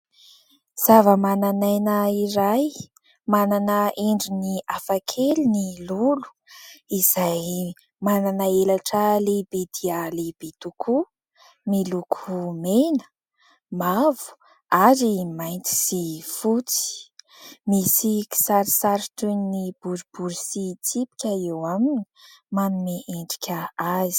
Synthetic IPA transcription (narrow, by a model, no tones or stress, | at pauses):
z̥avəmananajnəiɾaj | mananəʔeɳɖ͡ʐiniafakʰelinilulu̥ | iz̥aj | mananaelaʈ͡ʂəlebed̪ialeb̥et̪ukʰu | milukʰumenə̥ | mavu̥ | aɾimajnt̪i̥sifut͡si̥i̥ | misiki̥saɾisaɾiʈ͡ʂunnib̥uɾub̥uɾusit͡sipi̥kʲəewamini̥manumeʔeɳɖ͡ʐi̥kʲəazi̥